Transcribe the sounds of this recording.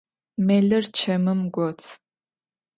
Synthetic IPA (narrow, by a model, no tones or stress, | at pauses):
meɮɨrt͡ʃʰɐmɨmɡʷɔt͡sʰ